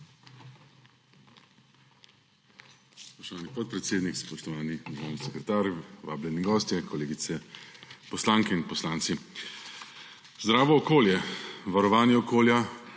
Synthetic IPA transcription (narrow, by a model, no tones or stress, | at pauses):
spɔʃt̪ɔʋaːnipɔt̪̚pɾɛt̪seːd̪nikspɔʃt̪ɔʋaːniɲɛɣɔːwnisɛkɾɛt̪aːɾjʋa̰ːblɛniɡɔːst̪jɛkʰɔleːɡit̪sɛpɔslaːŋkɛinpɔslaːnt̪si | zd̪ɾaːʋɔːkoːljɛʋaɾɔʋaːnjɛɔkoːlja